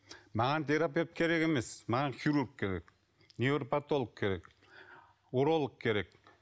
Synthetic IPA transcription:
mɑʁɑnt̪ʰeɾapijoat̪̚kʲʰe̞ɾe̞ke̞mesmɑʁɑnχiɾuɾk̚kʲʰe̞ɾek | nevɾpat̪ːolˠək̚kʲʰe̞ɾe̞k | oɾolˠəq̚kʲʰe̞ɾek̚

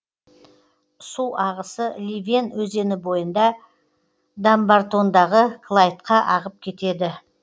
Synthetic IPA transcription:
suʔɑʁəsəlʲivʲenwɵze̞nɪbo̞jənd̪ɑ | d̪ambaɾt̪o̞nd̪ɑʁəkʰlˠajt̪qɑʔɑʁəp̚kʲʰe̞t̪e̞d̪ɪ

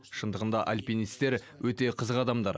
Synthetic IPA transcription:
ʃənd̪əʁənd̪ɑʔalʲpinist̪e̞ɾ | wɵt̪e̞qʰəzəqɑd̪ɑmd̪ɑɾ

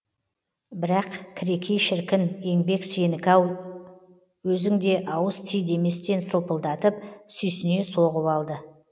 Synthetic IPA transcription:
bɪɾɑqkʲʰɪɾe̞kʲʰejʃɪɾkʲɪne̞ŋbe̞kse̞nɪkɑw | wɵzɪŋd̪e̞ʔɑwəst̪ʰijd̪e̞me̞st̪e̞nsəlˠpəlˠd̪ɑt̪əp̚sʏjsɪne̞soʁəpɑlˠd̪ə

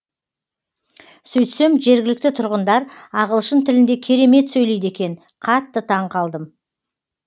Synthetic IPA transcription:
sɵjt̪se̞mʒe̞ɾɡʲɪlɪk̚t̪ɪt̪ʰʊɾʁənd̪ɑɾɑʁəlˠʃənt̪ʰɪlɪnd̪e̞kʲʰe̞ɾe̞me̞t̪sɵjle̞jd̪e̞kʲe̞n | qʰɑt̪ːət̪ʰɑɴqʰɑlˠd̪əm

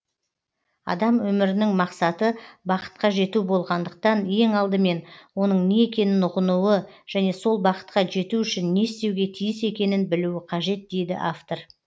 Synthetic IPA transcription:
ɑ̰d̪ɑmwɵmɪɾɪnɪŋmɑqsɑt̪əbɑqə̥t̪̚qɑʒe̞t̪ubo̞lˠʁɑnd̪əq̚t̪ɑnje̞ŋɑlˠd̪əme̞nwo̞n̪əɴne̞ekʲe̞nɪnʊʁənuwəʒ̥æne̞so̞lˠbɑqə̥t̪qɑʒe̞t̪uʏʃɪnːe̞st̪ewɡʲe̞t̪ʰijɪse̞kʲe̞nɪnbɪluwɪqʰɑʒe̞t̪̚d̪e̞jd̪ɪ̰ʔaft̪o̞r

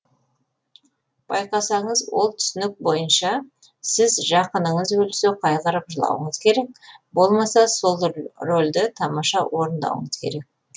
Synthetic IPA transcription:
b̥ɑjqɑsɑɴəzwo̞̰lˠt̪ʰʏ̥sɪnɪk̚bo̞jənʃɑ | sɪzʒɑqənəɴəzwɵlseqʰɑjqəɾəpʒəlˠɑ̰wə̰ɴəz̥kʲʰe̞ɾe̞k̚bo̞lˠmɑsɑso̞lˠro̞lʲd̪ɪt̪ʰɑmɑʃɑwo̞ɾənd̪ɑ̰wə̰ɴəzkʲʰeɾe̞k̚

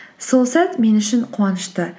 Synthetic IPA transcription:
solˠsɑt̪me̞nʏʃɪnqʰwɑnəʃt̪ə

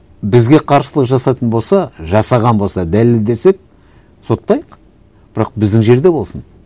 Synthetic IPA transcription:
bɪzɡʲe̞qʰɑɾsəlˠəqʒɑsɑt̪ənbo̞lˠsɑʒɑsɑʁɑnbo̞lˠsɑd̪ælɪld̪e̞sep̚ | so̞t̪ːɑjəq | b̥ɪɾɑq̚bɪzd̪ɪŋʒe̞ɾd̪e̞bo̞lˠsən

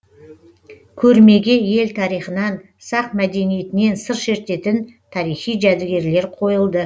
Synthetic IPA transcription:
kʲʰɵɾme̞ɡʲe̞je̞lt̪ʰɑɾijχənɑn | sɑq̚mæd̪e̞nije̞t̪ɪne̞nsəɾʃe̞ɾt̪e̞t̪ɪnt̪ʰɑɾijχijʒæd̪ɪɡʲe̞ɾle̞ɾqʰo̞jəlˠd̪ə

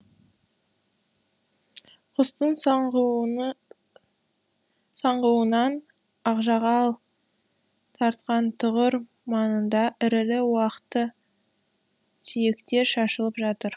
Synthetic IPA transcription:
qʰʊst̪əɴ | sɑɴʁəwənɑn | ɑqʒɑʁɑlˠ | t̪ʰɑɾt̪qɑnt̪ʰʊʁəɾ | mɑnənd̪ɑʔɪɾɪlɪwɑqə̥t̪ːə | sijekt̪e̞ɾʃɑʃəlˠəpʒɑt̪əɾ

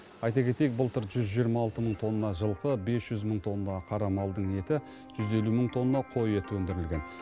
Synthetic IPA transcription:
ɑjt̪ɑkʲʰe̞t̪e̞jek̚bəlˠt̪əɾʒʏzʒijəɾmɑːlˠt̪əməɴt̪ʰo̞nːɑʒəlˠqəbe̞sʒ̥ʏzməɴt̪ʰo̞nːɑqʰɑɾɑmɑlˠd̪əɴe̞t̪ɪ | ʒ̥ʏze̞luməɴt̪ʰo̞nːɑqʰo̞jet̪wɵnd̪ɪɾɪlʲɡʲe̞n

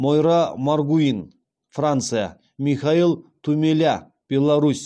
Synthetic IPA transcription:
mojɾamarɡuin | frant̪sɨja̰ | mʲixailˠt̪ʰumʲelʲa | b̥ʲelˠaɾusʲ

